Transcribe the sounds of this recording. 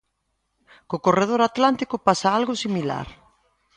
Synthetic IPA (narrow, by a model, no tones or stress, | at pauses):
kokoreð̞oɾat̪lant̪ikʊpasaalɣʊsimila̰ɾ